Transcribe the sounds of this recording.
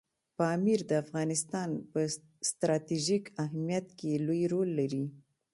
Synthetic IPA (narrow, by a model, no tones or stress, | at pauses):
pɑmiɾd̪əafɣɑnɪst̪ɑnpə | st̪ɾɑt̪iʒikaɦmijat̪kelojɾolːaɾi